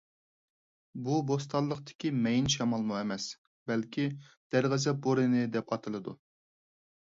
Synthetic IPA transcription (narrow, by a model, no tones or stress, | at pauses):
bubos̬t̪ʰɑlˠːəqt̪ɪ̥kʲimɛjinʃɑmɑlˠmuɛmɛs | bɛlkʲʰi | d̪̥æɾʁəzɛboɾɨnɪd̪ɛpɑt̪ʰɨlˠɨd̪u